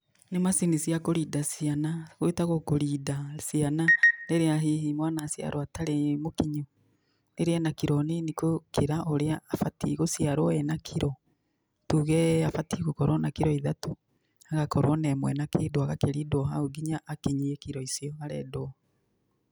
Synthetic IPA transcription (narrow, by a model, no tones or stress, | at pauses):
nemasinisijakoɾidasianaɣoetaɣokoɾidasiananeɾeaɦiɦimwanasja̰ɾʔɔataɾemokiɲu | neɾeɛnakiɾɔnenikokeɾaʔoɾeaːfatiɣosjaɾɔɛnakʰiɾɔ | tuɣɛafatiɣokɔɾwɔnakiɾɔiðato | aɣakɔɾwɔnɛmwɛnakeːdoaɣakeɾidwɔɦaoɡiɲaʔːkiɲiekiɾɔisjɔɣaɾɛ̰doɔ